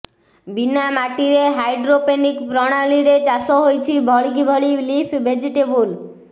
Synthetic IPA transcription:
binamaʈiɾeɦajɖɾopenikpɾɔɽ̃aliɾet͡ʃasɔɦojt͡ʃʰibʱɔɭikibʱɔɭilipʰbʱed͡ʒiʈebul

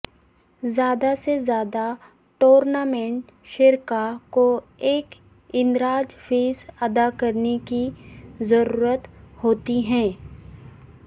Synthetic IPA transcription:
zjaːd̪asezjaːd̪a | ʈoːɾnaːmɛ̃ɳʈ | ʃɪɾkako | eːk | ɪ̃nɾaːd͡ʒfʰeːzɐd̪akɐɾnekizɐɾuːɾət̪hoːt̪iɦɛ̃ː

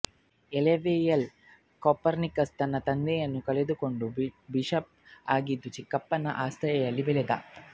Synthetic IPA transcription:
ɛleʋeːjɐl | koːpːɐɾnikːɐst̪ɐnːɐt̪ɐnd̪ejɐnːukɐɭed̪ɯkoɳɖubiʂɐp̚aːɡid̪ut͡ʃikːɐpːɐnɐ̰ʔaːst̪ɐjɐjɐlːibɛled̪a̰

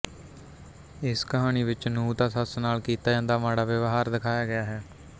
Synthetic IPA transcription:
ɪskəɦaːñiːʋɪt͡ʃnũːd̪aːsəsnaːlkiːt̪aːd͡ʒãːnd̪aːʋaːɽaːʋəʋɦaːɾd̪ɪkʰaːjaːɡɪjaːɦɛː

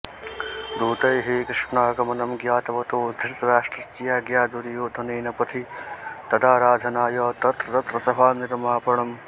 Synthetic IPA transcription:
d̪uːt̪ɐjɦeːkɾiʂpnaːkɐmɐnɐmɡjaːt̪ɐʋɐt̪oːd̪ʱiɾt̪ɾaːʂʈɾɐst͡ʃijaːɡjaːd̪uɾijoːd̪ʱɐneːnɐpɐt̪ʰit̪ɐd̪aːɾaːd͡ʒ̪ʱɐnaːjɐːt̪ɐt̪ɾɐt̪ɐt̪ɾɐsɐbʱaːniɾmaːpɐɽɐm

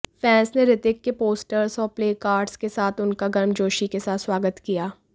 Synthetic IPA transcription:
fɛ̃ːnsneɾɪt̪ɪkːepoːsʈəɾsɔːɾpleːkaːɾɖskesaːt̪ʰʊnkaɡɐɾmd͡ʒoːʃikesaːt̪swaːɡət̪kijaː

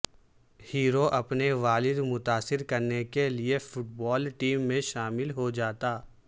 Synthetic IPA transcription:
hiːɾoʔɐpneʋaːlɪd̪mʊt̪aːsɪɾkɐɾnekeliefʊʈ̚bɔːlʈiːmːẽʃaːmɪlɦod͡ʒaːt̪aː

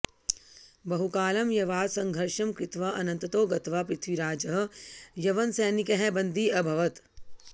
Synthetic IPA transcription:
bɐɦukaːlɐmjɐʋaːd̪sɐ̃ŋɡʱɐɾʃɐmkɾɪt̪ʋɐɐnɐ̃nt̪ɐt̪oːɡɐt̪ʋapɾɪt̪ʰʋiɾaːd͡ʒɐɦjɐʋɐnsɛːnikɐɦɛbɐ̃nd̪ʱiɐbʱɐʋɐt̪

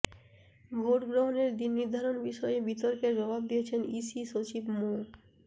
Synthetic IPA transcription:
bʱoʈɡɾoɦoneɾd̪inːiɾd̪ʱaɾonbiʃɔjebit̪oɾkeɾd͡ʑɔbab̚d̪ijet͡ɕʰenisiʃot͡ɕibmoɾ

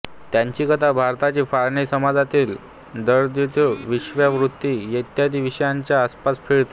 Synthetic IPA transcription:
t̪jãɲt͡ɕiːkət̪abʱaɾt̪at͡ɕiːfaɾɳisəmad͡zat̪iːl | d̪əɾd̪it̪oʋiɕʋjaʋɾut̪ːiːjet̪jad̪ʱiʋiɕəjaɲt͡ɕjaːspasfeɭt̪e

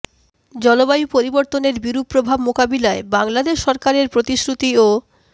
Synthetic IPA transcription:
d͡ʑɔlobajupoɾiboɾt̪oneɾbiɾupːɾobʱabmokabilaebaŋlad̪eʃːɔɾkaɾeɾpɾot̪isɾut̪io

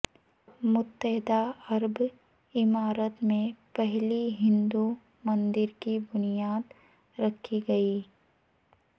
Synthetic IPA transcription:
mʊt̪ːəɦɪd̪aɐɾb | ɪmaːɾət̪mẽpɛɦliɦɪ̃nd̪u | mɐ̃nd̪ɪɾkibʊnijaːd̪ | ɾɐkʰːiɡɐiː

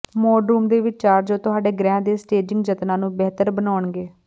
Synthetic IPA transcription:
mɔːɖɾuːmd̪eːʋɪt͡ʃaːɾd͡ʒoːt̪ʊɦaːɖeːɡɾɛ̃ːd̪eːsʈeːd͡ʒɪ̃ŋɡd͡ʒət̪nãːnũːbɛːt̪əɾbənaːʊɳɡeː

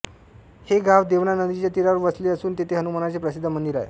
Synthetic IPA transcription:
heɡʱaʋd̪eʋnanəd̪it͡ɕjat̪iɾaʋəɾʋəsliəsuːnt̪et̪ʰeɦənumanat͡sepɾəsid̪ʱːəmənd̪iɾa̰jḛ

